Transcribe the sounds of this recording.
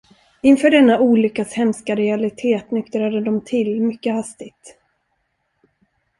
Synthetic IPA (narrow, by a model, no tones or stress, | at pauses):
ɪnfœːɖɛnːaʔuːlʏkːashɛmskaɾɛalɪt̪ʰeːt̪nʏkt̪ɾad̪əd̪ɔmt̪ʰɪlmʏkːəhast̪ɪɡ̚t̪